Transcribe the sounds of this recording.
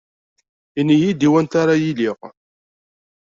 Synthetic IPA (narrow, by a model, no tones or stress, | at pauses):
inijid̪iwænt̪aɾajiliʁ